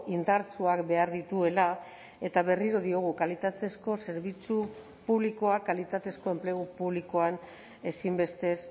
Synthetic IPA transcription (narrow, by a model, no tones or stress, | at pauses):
ʔind̪aɾt͡suakbe̞aɾðit̪ue̞la | e̞t̪aβ̞e̞riɾo̞ðio̞ɣ̞ukalit̪at̪e̞sko̞se̞ɾβ̞it͡su | puβliko̞akalit̪at̪e̞sko̞e̞mple̞ɣ̞upuβliko̞an | e̞simbe̞st̪e̞s